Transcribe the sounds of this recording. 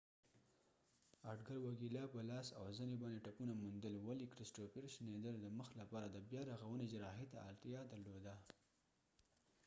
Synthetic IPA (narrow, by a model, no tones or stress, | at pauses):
aʈɡaɾwakilɑpəlɑsa̰wzənebɑnd̪eʈapunamund̪əlwalikɾɪsʈopɪɾʃned̪əlod̪əməxlapɑɾad̪əbjɑɾaɣawəned͡ʒɾɑɦet̪aɑ̰lt̪jɑd̪aɾlod̪a